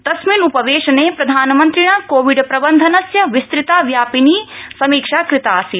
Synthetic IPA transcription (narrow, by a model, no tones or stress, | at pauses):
t̪ɐsminupɐʋ̪eːʃɐneːpɾɐd̪ʱaːnɐmɐnt̪ɾiɳɐkoːʋiɖpɾɐbɐnd̪ʱɐnɐsjɐʋist̪ɾɪt̪aːʋjaːpiniːsɐmiːkʂaːkɾɪt̪aːsi